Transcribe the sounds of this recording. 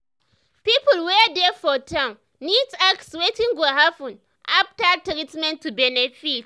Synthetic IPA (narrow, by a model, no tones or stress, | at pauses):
piːpʊlwedefɔtʰãm | nitakswetĩŋɡɔɦafũn | ʔap̚tak̚tɾitmɛ̃ntːubɛnɛfit